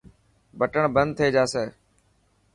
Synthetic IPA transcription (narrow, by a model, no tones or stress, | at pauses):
bəʈəɳbənd̪̚t̪ʰeːd͡ʒaːseː